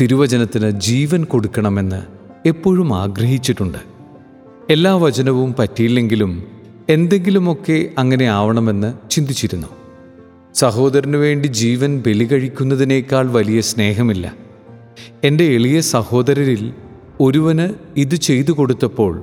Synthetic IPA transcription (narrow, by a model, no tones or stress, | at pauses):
t̪iɾuʋɐd͡ʑɐnɐt̪ːinɨd͡ʑiːʋɐnko̞ɽukːɐɳɐme̞nːɨ̰ | e̞pːo̞ːɻuma̰ːɡrɐɦit͡ɕːiʈːuɳɖɨ | e̞lːaːʋɐt͡ɕɐnɐʋumpɐtːijilːe̞ŋɡilum | e̞nd̪e̞ŋɡilumo̞kːe̞ɐŋːɐne̞aːʋɐɳɐme̞nːɨt͡ɕind̪it͡ɕːiɾunːu | sɐɦo̞ːd̪ɐɾɐnɨʋe̞ːɳɖid͡ʑiːʋɐnbe̞liɣɐɻikʲːun̪ːɐðine̞ːkʲːaːɭʋɐlijɐsne̞ːɦɐmilːɐ̰ | e̞nde̞eɭijɐsɐho̞ːd̪ɐɾɐɾil | o̞ɾuʋɐnɨiðɨt͡ɕe̞jt̪̬uko̞ɽut̪ːɐpːo̞ːɭ